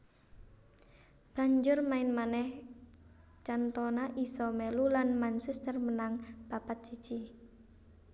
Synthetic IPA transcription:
b̥a̤ɲd͡ʒʊrmaɪnmanɛh | t͡ʃant̪ɔnaʔisɔmɛlulanmansɛst̪ərmənaŋb̥apat̪̚d͡ʒ̥i̥t͡ʃi

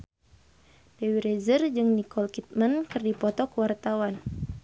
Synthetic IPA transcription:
dewiɾezərd͡ʒɨŋnikɔlkit̪̚mankɨrdipɔt̪ɔkəwart̪awan

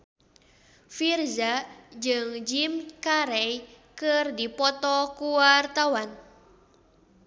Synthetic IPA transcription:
firzad͡ʒɨŋd͡ʒimkaɾɛj | kɨrdipɔt̪ɔkuwart̪awan

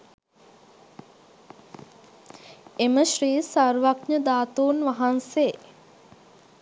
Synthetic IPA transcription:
eməʃriːsarʋakɲəd̪aːt̪uːnʋaɦanse

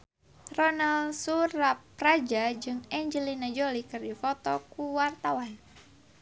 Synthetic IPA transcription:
rɔnalsuɾap̚rad͡ʒad͡ʒɨŋɛɲd͡ʒəlinad͡ʒolikɨrdifɔt̪ɔkuwart̪awan

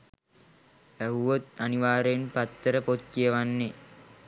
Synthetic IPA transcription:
ʋæɦuʋot̪aniʋaːɾenpat̪ːəɾəpot̪̚kijəʋanːe

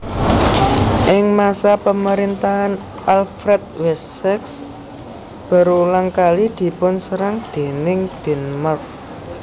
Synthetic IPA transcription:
ʔɪŋmasapəməɾint̪aɦan | ʔalfɾɛt̪̚wɛssɛks | b̥a̤ɾulaŋkalid̪̥i̤pʊnsəɾaŋd̪̥e̤nɪŋd̪̥ɛ̤nmərk̚

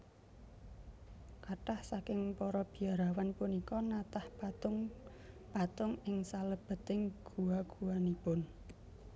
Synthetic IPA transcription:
kaʈahsakɪŋpɔɾɔb̥i̤aɾawanpunikɔnat̪ahŋ | pat̪ʊŋɪŋsaləb̥ə̤t̪ɪŋɡ̥uwaɡ̥uwanipʊn

